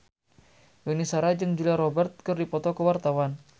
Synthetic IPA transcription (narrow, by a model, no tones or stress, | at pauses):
wenisaɾad͡ʒɨŋd͡ʒuliaɾɔbɛrt̪̚kərdipɔt̪ɔkəwart̪awan